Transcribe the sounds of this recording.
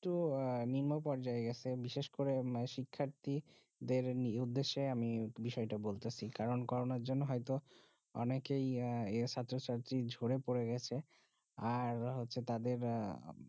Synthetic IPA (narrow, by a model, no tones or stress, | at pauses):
eʈuniɾmopɔɾd͡ʑaeɡɛt͡ɕʰebiʃeʃkoɾeʃikʰːaɾt̪i | d̪eɾniud̪ːeʃːeamibiʃɔeʈabolt̪esʰikaɾonkɔɾonaɾd͡ʑonːoɦɔjt̪o | ɔ̰nekejet͡ɕʰat̪ːɾot͡ɕaɾt̪ɾid͡ʑʱoɽepoɾeɡɛt͡ɕʰe | aɾɦotːɕʰet̪ad̪eɾ